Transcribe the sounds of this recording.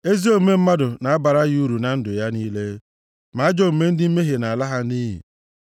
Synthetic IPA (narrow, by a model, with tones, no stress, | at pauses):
e˦zi˦o˦me˦m̩˦ma˦dʊ˨na˨a˦ba˨ɾa˦ɣu˦ɾu˨na˨n̩˦dʊ˨ja˦niː˦le˦ | ma˨a˦d͡ʒɔ˦m̩˨me˦n̩˦dɪ˦m̩˦me˦ɦe˨na˨la˦ɦa˦ni˦ɦḭ˨